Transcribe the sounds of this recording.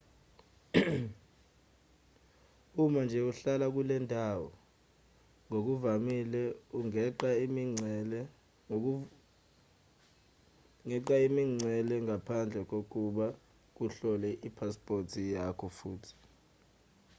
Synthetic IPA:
umand͡ʒʱɛuɬalak̬ulɛndʱawɔ̰ | ŋok̬uvamilɛuŋɛǃaimiŋ͡ǀɛlɛ | ŋɛǃaimiŋ͡ǀɛlɛŋapʰand͡ɮʱɛk̬ok̬uɓa | k̬uɬɔlɛʔipʰaspʼortʰijakʰɔfuːtʰi̥

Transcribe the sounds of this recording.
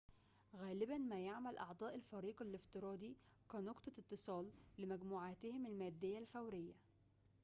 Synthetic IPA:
ɣæːlɪbænmæjaʕmælʔɑʕd̪ˤɑːʔɪlfɑɾiːqɑlɪft̪ɨɾˤɑːd̪i | kænoɡt̪ˤɑt̪ːɨsˤɑːlːɪmæɡmuːʕaːt̪ɪhɪmælmæːd̪ːɪjːælfæwɾɪjːæ

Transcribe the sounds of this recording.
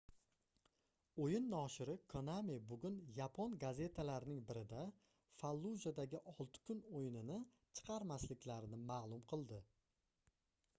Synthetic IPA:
ojɪnːɒːʃɪɾɪkʰonamebʊɡʲʊnjapʰonɡaze̞t̪ʰalaɾɪnɪŋbɪɾɪd̪a | falˠːuzad̪aɡʲɪʔɒlˠt̪ʰɪ̥kʰʊnojɪnɪnɪ | t͡ʃʰɨ̥qʰɑɾmaslɪkʲlaɾɪnɪmaːlˠʊmqʰɨlˠd̪ɪ

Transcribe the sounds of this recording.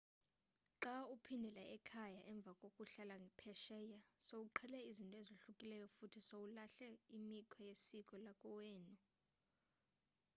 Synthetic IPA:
ǁaupʰindʱɛlaʔɛkʰajaʔɛɱb̪vʱakʼokʼuɬalaŋɡʱipʰɛʃɛːjasowuǃʰɛlɛizintʼɔezoɬukʼilɛjɔfutʰisowulaɬɛimikʰɔjesikʼɔlakʼɔwɛːnu

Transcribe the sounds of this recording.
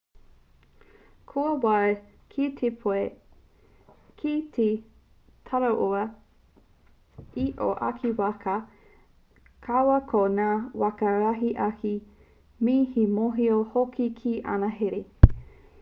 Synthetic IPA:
kʰuɐwa | kʰitʰepʰoe | kʰitʰe | t̪ʰɐɾɐʔoɐ | iʔo̰ʔɐ̰kʰiwɐkʰɐ | kʰawɐkʰonaːwɐkɐɾaɦiʔɐkʰi | miːhimoɦiohokʰikʰiʔɐ̰nɐɦeɾe

